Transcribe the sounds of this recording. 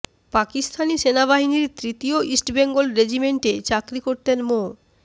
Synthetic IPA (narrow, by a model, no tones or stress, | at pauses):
pakist̪ʰaniʃenaβaɦiniɾt̪ɾit̪ioisʈbeŋɡolɾed͡ʑimeɳʈet͡ɕakɾikoɾt̪enmo